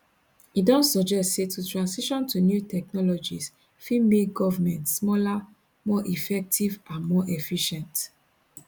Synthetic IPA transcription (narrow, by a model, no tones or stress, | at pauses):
idɔ̃nsɔd͡ʒɛstsetʰutɹãnsiʃɔ̃ntʰunjutʰɛk̚nɔlɔd͡ʒis | fimek̚ɡɔvamɛ̃ntsmɔla | mɔʔifɛk̚tʰivãnmɔʔɛfiʃɛ̃nt